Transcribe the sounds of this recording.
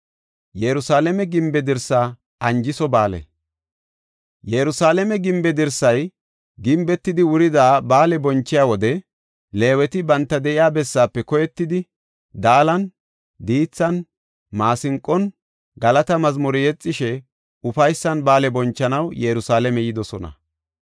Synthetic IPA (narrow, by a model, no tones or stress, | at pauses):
jɛɾʊsaːlɛmɛɡɪmbɛd̪ɪɾsːaː | ɐnd͡ʒɪsɔbaːlɛ̰ | jɛɾʊsaːlɛmɛɡɪmbɛd̪ɪɾsːɐj | ɡɪmbɛt̪ːɪd̪ɪwʊɾɪd̪aːbaːlɛbɔnt͡ʃːɪjaːwɔd̪ɛ | le̞ːwɛt̪ɪbɐnt̪ːɐd̪ɛʔɪjaːbɛsːaːpːɛkɔjɛt̪ːɪd̪ɪ | d̪aːlɐn | d̪iːt͡sːɐn | maːsɪŋkʼːɔn | ɡɐlɐt̪ɐmɐzmɔɾɪjɛt͡sʼːɪʃɛ | ʊfɐjsːɐnbaːlɛbɔnt͡ʃːɐnɐwjɛɾʊsaːlɛmɛjɪd̪ɔsɔnɐ̰